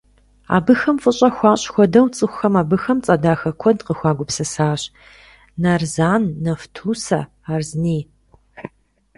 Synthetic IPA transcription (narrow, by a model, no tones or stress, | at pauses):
a̰ːbɨxɐmfʼɨɕʼɐxʷɑːɕʼxʷɔdɐwt͡sʼɨxʷxɐmaːbɨxɐmt͡sʼɐdaːxɐkʷʰɔdqəxʷɑːɡʷʊpsɐsaːɕ | nɐrzaːnːɐftʰuːsɐ | aːrzniː